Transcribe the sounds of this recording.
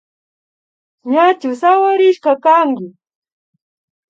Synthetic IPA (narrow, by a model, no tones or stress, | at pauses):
ɲat͡ʃʊsawaɾɪʃkakaŋkɪ